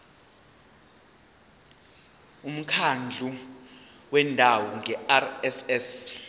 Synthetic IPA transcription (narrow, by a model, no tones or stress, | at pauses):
um̩kʰand͡ɮʱu | wɛndʱawɔŋʱɛarɛsɛs